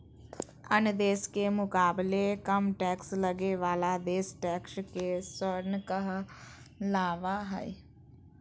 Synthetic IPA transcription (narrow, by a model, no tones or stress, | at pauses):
ənd̪eːskeːmʊkaːblekəmʈɛːksləɡeːʋaːlaːd̪eːsʈɛːkʃkeːsəɾnkəɦ | laːʋaːɦə̰i